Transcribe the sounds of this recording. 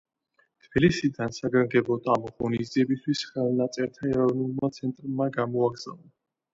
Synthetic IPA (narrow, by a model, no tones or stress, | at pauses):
t̪ʰb̥ilisid̪ansaɡaŋɡɛbɔt̪amɔʁɔnizd̪iɛbist̪ʰwisχɛlˠnat̪sʼɛɾt̪ʰaɛɾɔvnulˠmat̪sʰɛnt̪ʼɾmaɡamɔaɡz̥avˠa